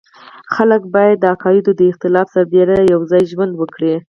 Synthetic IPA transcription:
xaləkbɑjad̪ːəakɑjɪd̪od̪əɪxt̪ɪlɑfsaɾd̪eɾaajawzɑjʒwand̪wəkɽi

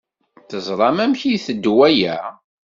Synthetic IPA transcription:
θəzˤɾˤɑmæmçiθəd̪ːwæjæ

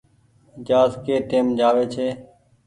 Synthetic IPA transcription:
d͡ʒaːzkeːʈ̪eːmd͡ʒaːʋeːt͡ʃʰeː

